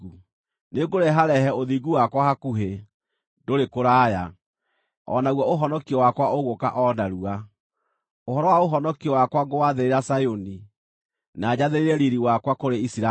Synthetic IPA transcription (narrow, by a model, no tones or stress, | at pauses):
u | neɡoɾɛɦaɾɛɦɛoðiɡuwakwahakuɦe | doɾekoɾaːja | ɔ̰naɣwɔoɦɔnɔkiɔwakwaʔoɣoka̰ʔɔnaɾua | oɦɔɾɔwaoɦɔnɔkiɔwakwaɡowaðeɾeɾasajoni | naːd͡ʑaðeɾeɾɛɾiɾiwakwakoɾeisiɾa